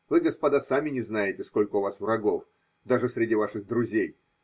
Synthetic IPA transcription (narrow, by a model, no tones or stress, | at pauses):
vɨɡəspɐd̪asamʲɪnʲɪznajɪtʲɪsko̞lʲkəʊvasvrɐɡo̞f | d̪aʐɨsʲɾʲɪdʲivaʂɨɣd̪ɾʊzʲej